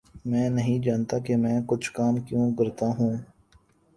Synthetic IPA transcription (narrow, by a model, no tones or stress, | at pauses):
mɛ̃ːnɐɦĩd͡ʒaːnt̪akemɛ̃ːkʊt͡ʃʰkaːmkjõːkɐɾt̪aɦũː